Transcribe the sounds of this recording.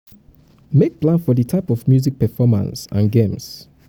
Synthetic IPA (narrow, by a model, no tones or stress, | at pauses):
mek̚plãnfɔdətʰaɪpɔvmjuzik̚pɛfɔmã̰nsã̰nɡẽms